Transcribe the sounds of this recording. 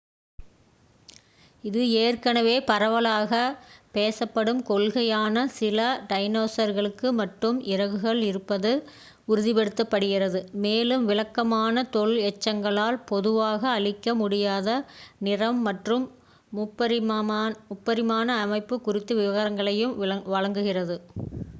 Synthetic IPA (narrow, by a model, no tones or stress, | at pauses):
ɪðɯeːrkɐnɐʋeːpɐɾɐʋɐlaːɣɐpeːsɐpːɐɽɯmkɔɭɣɐjaːnɐsɪlɐɖɐɪnoːsɐɾɣɐɭɯkːɯmɐʈrɯmɪɾɐɣɯɣɐɭɪɾɯpːɐðɯ | ʊɾɯðɪpɛɽɯt̪ːɐpːɐɽɯɣɪrɐðɯmeːlɯmʋɪlɐkːɐmaːnɐt̪ɔɭɛt͡ʃːɐŋɡɐɭaːlpɔðɯʋaːɣɐːɭɪkːɐmʊɽɪjaːðɐnɪrɐmːɐʈrɯm | ʊpːɐ | ʊpːɐɾɪmaːnɐːmɐɪpːɯkʊrɪt̪ːɯʋɪʋɐɣɐɾɐŋɡɐɭɐjɯmɐʋɐɻɐŋɡɯɣɪrɐðɯ